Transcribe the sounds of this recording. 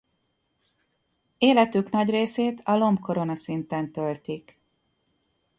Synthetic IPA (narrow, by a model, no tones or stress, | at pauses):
eːlɛt̪ykn̪ɒɟreːseːt̪ɒlo̞mbkʰo̞ɾo̞nɒsint̪ɛnt̪ø̞lt̪ik